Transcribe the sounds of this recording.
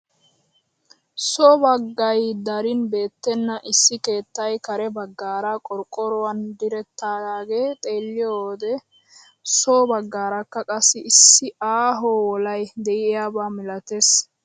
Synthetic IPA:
soːbɐɡːɐjd̪ɐɾɪnbe̞ːt̪ːɛnːɐʔɪsːɪke̞ːt̪ːɐjkɐɾɛbɐɡːaːɾakʼɔɾkʼɔɾɔwɐnd̪ɪɾɛt̪ːaːdaːɡe̞ːt̪ʼe̞ːlːɪjoːd̪ɛ | soːbɐɡːaːɾakːɐkʼɐsːɪɪsːɪaːɦoːwɔlɐjd̪ɛʔɪjaːbaːmɪlɐt̪es

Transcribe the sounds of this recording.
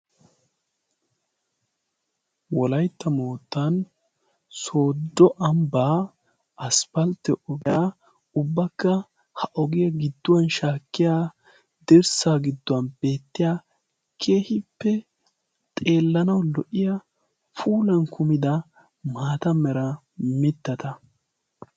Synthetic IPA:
wɔlɐjt̪ːɐmoːt̪ːɐn | so̞ːd̪ːɔʔɐmbaː | ɐspɐlt̪ɛʔɔɡɪja | ʊbːɐkːɐ | hɐʔɔɡɪjɐɡɪd̪ːʊwɐnʃaːkːɪjaː | d̪̥ɛɾsaːɡɪd̪ːʊwɐnb̥e̞ːt̪ːɪjaː | kʰeːhɪpːɛ | t̪ʼe̞ːlːɐnɐwlɔʔɪjɐ | fʰuːlɐnkʰʊmɪd̪ɐ | maːt̪ɐmɛɾɐ | mɪt̪ːɐt̪ɐ

